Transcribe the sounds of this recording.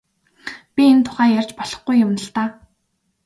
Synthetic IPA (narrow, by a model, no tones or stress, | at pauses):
pʲient̪ʰʊ̥χæːjarʲt͡ɕpɔɮ̥ɞ̆χɡujːʊmnə̆ɮt̪aː